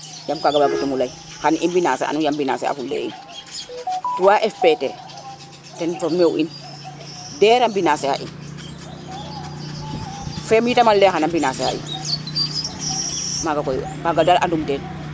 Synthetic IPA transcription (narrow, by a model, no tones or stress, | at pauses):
jamkaɡabaɡatumulaj | xanʔinbinaːsḛʔa̰nujambina̰sḛa̰fulːɛ̰ḭn | tuwaʔɛfpetɛ̰ | tɛnfɔmewʔin | dɛɾambinaseha̰ʔḭn | fɛmjitamalːɛxanambinaseha̰ḭn | maɡakɔjkaɡadalʔandumtɛn